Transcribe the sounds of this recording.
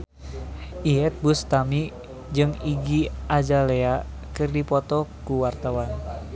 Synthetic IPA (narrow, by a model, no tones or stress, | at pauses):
ʔiɛt̪̚bust̪ami | d͡ʒɨŋiɡiad͡ʒalea | kɨrdipɔt̪ɔkuwart̪awan